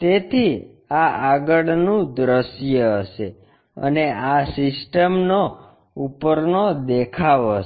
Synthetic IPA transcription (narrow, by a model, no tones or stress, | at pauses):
t̪et̪ʰi | aʔaɡəɽnũd̪ɾəʃjəːʃe | ə̰neasɪsʈəmno | upəɾnod̪ekʰaʋ